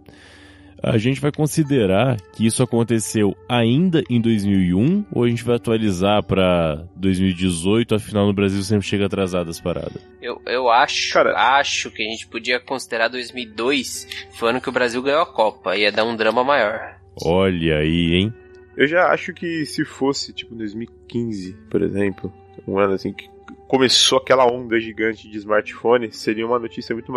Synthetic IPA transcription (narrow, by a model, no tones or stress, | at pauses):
a̰ʒẽnt͡ʃɪvajkõsid̪eɾaɾkɪisʊakõnt̪esewaĩnd̪ɐʔẽj̃d̪ojzmiwiũo̰waʒẽnt͡ʃɪvajat̪ualizaɾpɾɐd̪ojzmiwid͡ʒɪzojt̪ʊɐfinawnʊbɾaziwsẽpɾɪʃeɡɐaːt̪ɾazad̪ʊɐspaɾa̰d̪ɐsewewaʃkaɾɐ̰aʃʊkɪaʒẽnt͡ʃɪ̥pod͡ʒiɐkõsid̪eɾaɾd̪ojzmiwid̪ojsfoɐ̃nʊkɪʊbɾaziwɡɐ̃jɲoakɔpɐiɐd̪aɾũd̪ɾɐ̃mɐmajɔɾ | ɔʎɐiẽj̃ | ewʒaa̰ʃʊkɪsɪfosɪt͡ʃi̥pʊ̃d̪ojzmiwikĩzɪpoɾḛzẽmplʊ | ṵ̃ɛ̃d̪ɐasĩkɪ̥ | komesoakɛlɐõnd̪ɐʒiɡɐ̃nt͡ʃɪd͡ʒɪːzmaɾt͡ʃɪ̥fõnɪseɾiɐũmɐnot͡ʃisjɐmũj̃t̪ʊm